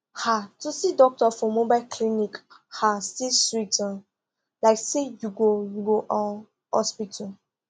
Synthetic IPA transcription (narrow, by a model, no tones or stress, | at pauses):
hatusidɔk̚tɔfɔ̃mːobaɪlkʰlinikhastiswita | laɪksejuɡojuɡoʔã | hɔ̰spitʰɔ